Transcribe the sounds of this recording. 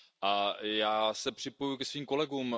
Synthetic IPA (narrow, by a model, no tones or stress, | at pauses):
ʔajaːsɛpr̝̥ɪpo̞jukɛsviːmko̞lɛɡuːm